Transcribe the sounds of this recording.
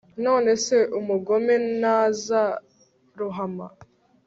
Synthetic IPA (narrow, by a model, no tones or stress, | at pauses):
no̞ːne̞se̞ʔumuɡo̞menaːza | ɾuɦama̰